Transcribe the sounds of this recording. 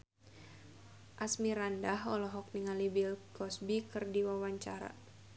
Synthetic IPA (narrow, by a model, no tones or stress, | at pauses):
ʔasmiɾandaɦɔlɔɦɔk̚niŋalibilkɔsbikɨrdiwawaɲt͡ʃaɾa̰